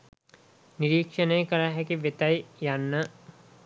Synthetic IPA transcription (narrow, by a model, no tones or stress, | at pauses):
nɪɾiːkʃənɐĩkɐɾaɦɛkiʋet̪aːijaːnːa